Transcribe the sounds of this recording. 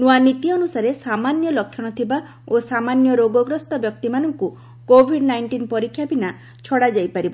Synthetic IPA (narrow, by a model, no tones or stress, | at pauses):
nuanit̪iɔnusaɾesamanjɔlɔkʰːjɔɽ̃ɔt̪ʰiba | osamanjɔɾoɡɔɡɾɔst̪ɔbjɔk̚t̪imanɔŋku | kobʱiɖnajɳʈinpɔɾikʰːjabina | t͡ʃʰɔɽad͡ʒajpaɾibɔ